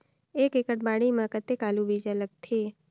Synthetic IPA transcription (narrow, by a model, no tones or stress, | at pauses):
eːkekəʈ̚baːɽimãkət̪ekaːlubid͡ʒələk̚t̪ʰeː